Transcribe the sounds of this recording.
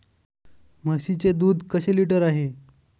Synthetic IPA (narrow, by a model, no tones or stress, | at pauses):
m̤əɕit͡sed̪uːd̪kəɕeliʈəɾaɦe